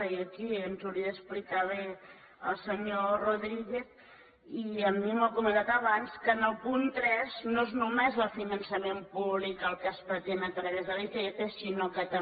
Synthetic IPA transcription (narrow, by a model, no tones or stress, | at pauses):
iəkiənzuɾiəəsplikaβe | ə̰lˠsəɲoroðɾiɣeθ | iəmːiməkumə̃nd̪at̪əβanskənəlˠpunt̪ɾɛznoeznumezəlˠfinənsəmempuβlikəlˠkəspət̪enət̪ɾəβezðəlit̪et̪esinokət̪ə